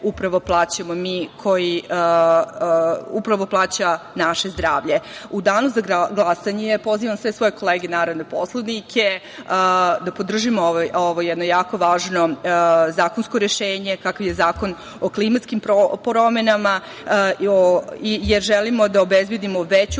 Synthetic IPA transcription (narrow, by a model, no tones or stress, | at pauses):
upɾaʋo̞plˠaːt͡ɕamomikʰo̞ji | upɾaʋo̞plˠaːt͡ɕanaʃe̞zd̪ɾaːʋʎe̞ud̪aːnuzaɡɡlˠasaɲepo̞ziʋamsʋe̞sʋo̞jeko̞lˠeːɡenaːɾod̪nepo̞slˠoʋnikʰe | d̪apod̪r̩ʒimooʋooʋojɛd̪no̞jaːko̞ʋaːʒnozaːkonsko̞ɾeʃeːɲekakaʋjezaːko̞n | oklˠimat̪skimpopɾome̞nama | oijeɾʒelimod̪aobezbjed̪imo̞ʋet͡ɕu